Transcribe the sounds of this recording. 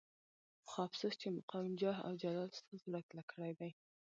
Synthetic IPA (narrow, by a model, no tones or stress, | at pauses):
xɑfsəst͡ʃemʊqɑwɪnd͡ʒɑɦa̰wd͡ʒalɑlst̪əzɽaklakʰəɽajd̪aj